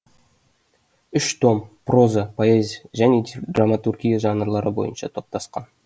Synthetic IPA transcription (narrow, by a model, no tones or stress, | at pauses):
ʏʃt̪ʰo̞mpro̞zəpʰoezʲʒæne̞d̪ramat̪urɡʲijaʒɑnəɾlˠɑɾəbo̞̰jə̰nʃɑ̰t̪ʰo̞p̚t̪ɑsqɑn